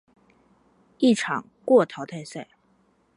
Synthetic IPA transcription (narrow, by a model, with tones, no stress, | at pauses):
i˥˩ʈ͡ʂʰɑ̰˨˩˦ŋ | kwɔ˥˩t̪ʰɑ˧˥ʊt̪ʰa˥˧ɪsa˥˩ɪ